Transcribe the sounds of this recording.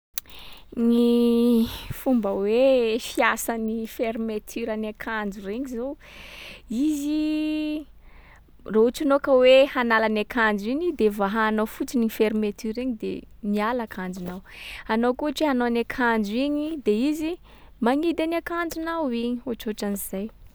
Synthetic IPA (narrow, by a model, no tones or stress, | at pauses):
ni | fumbəwefiasanifeɾmet̪ʰyɾanakʰand͡ʒureɲizo | izi | rouʈ͡ʂinokəwehanalanakʰand͡ziɲid̪evaɦaːnofut͡sinifeɾmet̪yɾeɲid̪ḛmialakʰand͡ʒunawanokuaʈ͡ʂianoanakʰand͡ʒiɲid̪eizi | maŋid̪aniakand͡zunawiɲioʈ͡ʂoʈ͡ʂaniz̥aj